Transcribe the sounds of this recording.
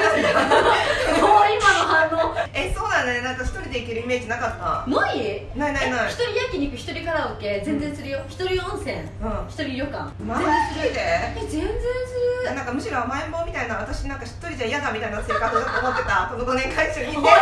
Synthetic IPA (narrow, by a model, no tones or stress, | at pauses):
aeanekoimanoɦãnːoeso̞ːnãonenãŋkaçi̥t̪o̞ɾʲid̪eikʲiɾɯime̞ːd͡ʑinakat̪ːanoinainainaçi̥t̪oɾʲijakʲiɲ̟iikɯ̟çi̥t̪o̞ɾʲikaɾaokːed͡zẽ̞nd͡zẽ̞ñsɨɾʲijoçi̥t̪oɾʲiõɰ̃sẽŋ | ɯ̟̃çi̥t̪o̞ɾʲiɾʲokã̰ŋmãesɨɡoid̪eezẽ̞nd͡zẽnsɨnãŋkamɯ̟ɕiɾo̞amaemomʲit̪ainaat̪aɕinãŋkaçi̥t̪ːoɾʲid͡ʑaijad̪amʲit̪ainaseːkasɨt͡ɕot̪ːoːmot̪ːe̞t̪akonoɡonẽŋkʰaiɕoie